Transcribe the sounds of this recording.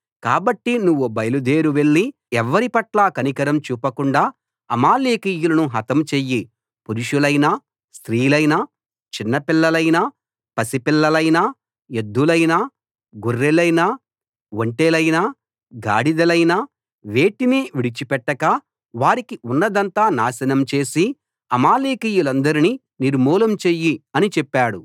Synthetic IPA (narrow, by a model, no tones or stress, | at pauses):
kaːbɐʈːinuʋːubɐjlud̪eːɾuʋe̞ɭːi | ɛʋːɐɾipɐʈlaːkɐnikɐɾɐmt͡ʃuːpɐkuɳɖaː | ɐmaːleːkiːjulɐnuɦɐt̪ɐmt͡ʃeːjːi | puɾuʂulɐjnaː | st̪ɾiːlɐjnaː | t͡ʃinːɐpilːɐlɐjnaː | pɐsipilːɐlɐjnaː | jed̪ːulɐjnaː | ɡurːelɐjnaː | ʋoɳʈeːlɐjnaː | ɡa̰ːɽid̪ɐlɐjnaː | ʋe̞ːʈineːʋiɽit͡ʃipɛʈːɐka | ʋaːɾikiunːɐd̪ɐnt̪aːnaːsɐnɐmt͡ʃe̞ːsi | ɐmaːleːkijulɐnd̪ɐɾini | niɾmuːlɐmt͡ʃeːjiɐnit͡ʃɛpːaːɽu